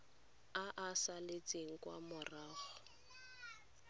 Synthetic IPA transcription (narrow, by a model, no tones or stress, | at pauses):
aʔasalet͡sʼeŋ̩kwa̰mʊraːχʊ̥